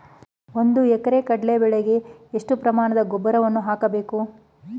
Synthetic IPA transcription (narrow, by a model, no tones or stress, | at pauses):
o̞nd̪uɛkɐɾekɐɽɐlebɛɭeɡe̞eʂʈupɾɐmaːɳɐd̪ɐɡɔbːɐɾɐʋɐnːuɦaːkɐbe̞ːku